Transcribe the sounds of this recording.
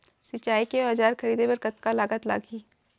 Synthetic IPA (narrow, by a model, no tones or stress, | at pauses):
sɪt͡ʃːaːikeoɦɐd͡ʒaːɾxɐɾiːd̪ebɐɾkɐt̪kalaːɡət̪la̰ːɡiː